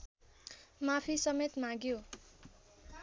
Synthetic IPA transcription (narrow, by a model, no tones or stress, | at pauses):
mapʰisʌmet̪mãɡjo